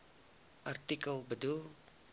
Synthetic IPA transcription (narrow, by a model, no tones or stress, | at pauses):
ʔart̪ikəlbədu